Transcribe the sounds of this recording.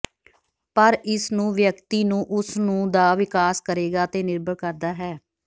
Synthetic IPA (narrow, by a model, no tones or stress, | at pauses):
pəɾɪsnũːʋjəkt̪iːnũːʔʊsnũːd̪aːʋɪkaːskəɾeːɡaːt̪eːnɪɾbəɽkəɾd̪aːɦɛː